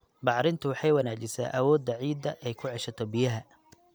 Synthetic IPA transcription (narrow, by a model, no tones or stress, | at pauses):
bɑʕɾɪnt̪ʰʊwɑħɑjwɐnaːt͡ʃɪsa̰ːʔɐwɔːd̪ːɐʕiːd̪ɐʔɛjkʰʊʕɛʃɐt̪ʰɔbɪjɐɦɐ